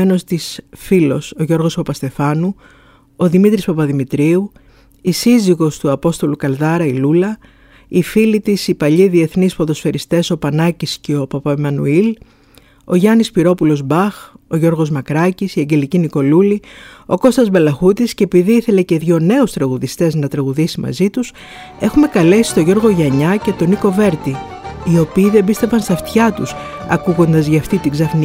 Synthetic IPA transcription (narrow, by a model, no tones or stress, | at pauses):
eno̞st̪isfilo̞so̞ʝo̞ɾɣo̞spɐpɐst̪e̞fɐnu | o̞ðimit̪ɾispɐpɐðimit̪ɾiu | isiziɣo̞st̪uɐpo̞st̪o̞lukɐlðɐɾɐilulɐ | ifilit̪isipɐʎiðie̞θnispo̞ðo̞sfe̞ɾist̪e̞so̞pɐnɐcisceo̞pɐpɐemɐnṵil | o̞ʝɐnispiɾo̞pulo̞zbɐxo̞ʝo̞ɾɣo̞zmɐkɾɐcisiɐɲɟe̞liciniko̞lulio̞ko̞st̪ɐzbe̞lɐxut̪iscepiðiiθe̞le̞ce̞ðʝo̞ne̞ust̪ɾɐɣuðist̪e̞znɐt̪ɾɐɣuðisimɐ̰zit̪us | e̞xume̞kɐle̞si̥t̪o̞ʝo̞ɾɣo̞ʝɐɲɐce̞t̪o̞niko̞ve̞ɾt̪iio̞piːðe̞bist̪e̞vɐnst̪ɐft̪çɐt̪usɐ̰kuɣo̞nd̪ɐzʝɐɐft̪it̪iɡzɐfni